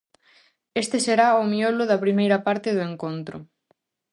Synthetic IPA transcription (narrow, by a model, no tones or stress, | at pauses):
est̪eseɾaʊmiolʊðɐpɾimejɾɐpaɾt̪ɪðʊeŋkont̪ɾʊ̰